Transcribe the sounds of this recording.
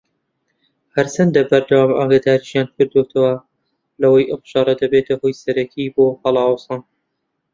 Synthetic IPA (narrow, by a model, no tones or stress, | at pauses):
hɐɾsɐnd̪ɐbɐɾd̪ɐwaːmʔa̰ːɡad̪aːɾiʃjankʰɨɾd̪ot̪ʰɐwɐ | lɐwɐjʔɐmʃɑɾˤɐd̪ɐbet̪ɐhojsɐɾɐkʰibohɑlˠɑːwsɑːn